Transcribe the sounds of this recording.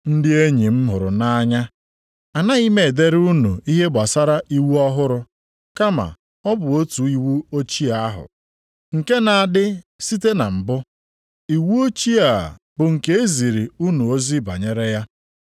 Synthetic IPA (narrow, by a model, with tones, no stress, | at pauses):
n̩˦dɪ˦e˦ɲi˨m̩˦ɦʊ˨ɾʊ̰˨na˦a˦ɲa˦ | a˨na˦i˦me˨de˦ɾu˦nu˨i˦ɦe˦ba˨sa˦ɾa˦ʔi˦wu˦ɔ˦ɦʊ˦ɾʊ˦ | ka˦ma̰˨ | ɔ˦bʊ˨o˦tu˨i˦wu˦o˦t͡ʃi˦a˦a˦ɦʊ̰˨ | ŋ̩˨ke˦na˨a˨dɪ˦si˦te˦na̰˨m̩˨bʊ˦ | i˨wu˦o˦t͡ʃi˦a˨ | bʊ˨ŋ̩˨ke˦e˦zi˨ɾi˨u˦nu˨o˦zi˦ba̰˨ɲe˦ɾe˦ja˦